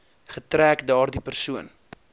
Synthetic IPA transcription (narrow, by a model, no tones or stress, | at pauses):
χətɾæːkdɑːrdipərsuən